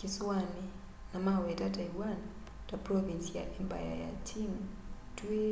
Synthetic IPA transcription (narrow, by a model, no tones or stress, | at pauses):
kiswani | namawɛtataiwan | taprɔvinsija̰ʔɛmba̰ja̰ja̰t͡ʃʰiŋ | tue